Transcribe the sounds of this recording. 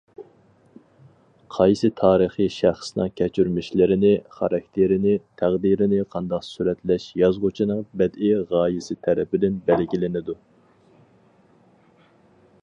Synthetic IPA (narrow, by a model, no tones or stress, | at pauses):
qʰɑjsɨt̪ʰɑːɾəχiʃæχsnɨ̰ŋkʲʰɛt͡ʃʰyɾmɪʃlɪɾɪnɪχɑɾɑkʲt̪ʰɪɾɪnɪt̪ʰæʁd̪iɾɪnɪqʰɑnd̪ɑqsuɾɛt̪lɛʃjɑzʁʊt͡ʃʰinɨŋbɛd̪ɪʁɑːjɪsɨt̪ʰɛɾɛpɪd̪ɪnbɛlɡʲilɪnɪd̪u